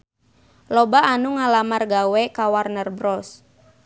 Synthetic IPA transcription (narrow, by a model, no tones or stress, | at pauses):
lɔbaʔːnuŋalamarɡawɛkawarnərbɾɔs